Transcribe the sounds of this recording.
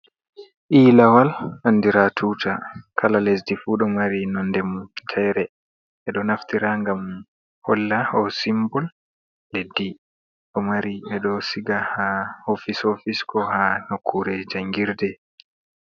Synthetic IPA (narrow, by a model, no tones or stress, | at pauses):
ʔiːlawalanːdiɾatʰuːtʰakʰalalesdifuɗɔmaɾinɔndɛmutʰɛjɾɛ | ʔɛɗɔnaftiɾaŋɡam | hɔlːahɔsimbɔl | ledːi | ɗɔmaɾiɓɛɗɔsiɡahahofisofiskɔhanokʰːuɾɛd͡ʒaŋɡiɾdɛ